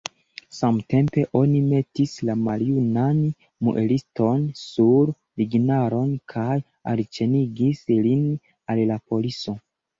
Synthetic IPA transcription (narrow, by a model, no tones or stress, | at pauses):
samte̞mpe̞ʔo̞nime̞tislamaljunan | mṵʔelisto̞nsuɾ | liɡinaɾo̞nkʰaj | a̰lt͡ʃe̞niɡislin | allapo̞liso̞